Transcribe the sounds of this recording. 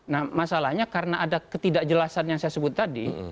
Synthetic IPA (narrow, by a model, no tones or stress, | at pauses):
nahmasalahɲakaɾənaʔadakət̪idaʔd͡ʒəlasanjaŋsajasəbʊt̪ːadi